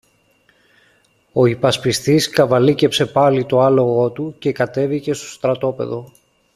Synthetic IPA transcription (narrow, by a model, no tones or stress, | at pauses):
o̞ipɐspist̪iskɐvɐlice̞pse̞pɐlit̪o̞ɐlo̞ɣo̞t̪uce̞kɐt̪e̞vice̞st̪o̥st̪ɾɐt̪o̞pe̞̰ðo̞